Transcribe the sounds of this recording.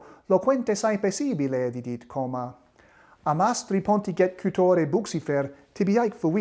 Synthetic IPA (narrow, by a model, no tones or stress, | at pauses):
lokʰwɛnt̪esajpesibiled̪id̪it̪kʰoma | amast̪ɾipʰɔnt̪iɡɛt̪̚kʰyt̪ʰoɾebuksifɛɾt̪ʰebiajkfuwi